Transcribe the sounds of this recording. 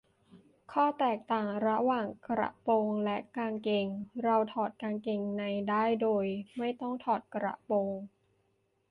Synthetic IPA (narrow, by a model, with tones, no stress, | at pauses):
kʰɔː˥˩t̪ɛː˨˩k̚t̪aː˨˩ŋɾa˦˥waː˨˩ŋkɾa̰˨˧˩ʔpoː˧ŋlɛ˦˥ʔkaː˧nke˨˩ŋɾa˧wt̪ʰɔː˨˩t̪̚kaː˧nke˨˩ŋna˧jdaː˥˩jdoː˧jma˥˩jt̪ɔ˥˩ŋt̪ʰɔː˨˩t̪̚kɾa̰˨˩ʔpoː˧ŋ